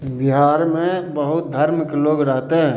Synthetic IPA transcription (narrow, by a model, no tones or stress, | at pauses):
bɪɦaːɾmẽbəɦʊt̪̚d̪ʱəɾmɪkloːɡɾɛɦt̪eɦɛ̃ː